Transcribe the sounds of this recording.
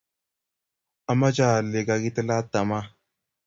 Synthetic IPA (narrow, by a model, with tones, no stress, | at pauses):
a˦ma˦t͡ʃa˦˨le˨ka˨ki˦t̪ə˦la˦t̪ːa˨ma˦